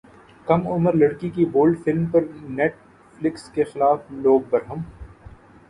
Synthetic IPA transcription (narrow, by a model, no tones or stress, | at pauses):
kɐmʊməɾlɐɽkikiboːlɖfɪlmpɐɾneːʈ̚ | flɪkskexɪlaːfloːɡ̚bɐɾɦəm